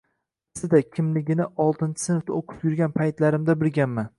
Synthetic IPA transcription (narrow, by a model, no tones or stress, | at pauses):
sɪd̪akʲʰɪmlɪɡʲɪnɪʔɒlˠt̪ɪnt͡ʃʰɪ̥sɪnft̪aoqʰɨ̥pjʊɾɡʲanpʰajt̪laɾɪmd̪abɪɾɡʲanman